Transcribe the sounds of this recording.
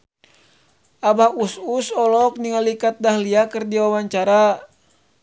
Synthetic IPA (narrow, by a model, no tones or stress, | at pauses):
abahususɔlɔk̚niŋalikat̪̚dahliakɨrdiwawaɲt͡ʃaɾa